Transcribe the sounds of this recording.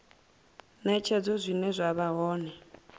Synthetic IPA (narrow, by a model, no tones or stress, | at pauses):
nɛt͡ʃʰɛd͡zɔzʷinɛzʷaβaɦɔːnɛ